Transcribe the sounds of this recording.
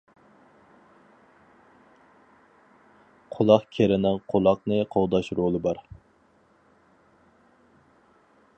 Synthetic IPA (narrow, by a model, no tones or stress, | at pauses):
qʰolˠɑqkʲʰeɾɪnɪŋqʰolˠɑqnɨqʰowd̪ɑʃɾolˠɨbɑɾ